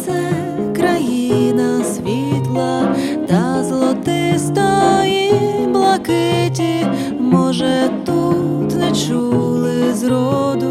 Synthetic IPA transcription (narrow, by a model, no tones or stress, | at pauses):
t̪sɛ | kɾɐjinɐsʲʋʲit̪lˠɐ | t̪ɐzlˠɔt̪ɪst̪ɔjiblˠɐkɪtʲi | mɔʒɛt̪u | t̪nɛt͡ʃulˠɪzɾɔd̪ʊ